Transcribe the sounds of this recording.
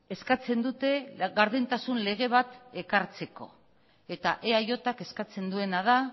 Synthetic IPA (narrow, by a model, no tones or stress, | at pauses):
e̞skat͡se̞nd̪ut̪e̞ɣaɾðint̪asunle̞ɣ̞e̞β̞at̪e̞kaɾt͡se̞ko̞ | e̞t̪aʔeajo̞t̪ake̞skat͡se̞nd̪ue̞naða